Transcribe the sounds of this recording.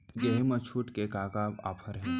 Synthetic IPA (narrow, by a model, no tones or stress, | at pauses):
ɡeɦemət͡ʃʰuːʈkekaːkaːba̰ːpʰəɾɦɛ̃ː